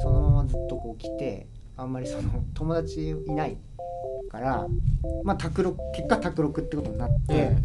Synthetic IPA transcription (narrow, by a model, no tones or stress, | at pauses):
so̞no̞mamad͡zɨt̪ːoko̞ːkʲi̥t̪e̞̰ | ãmːaɾʲiso̞no̞t̪o̞mo̞d̪at͡ɕioinai | kaɾamat̪akɯ̟ɾo̞kɯke̞kːat̪akɯ̟ɾo̞kɯ̟t̪ːeɯko̞t̪o̞inat̪ːe̞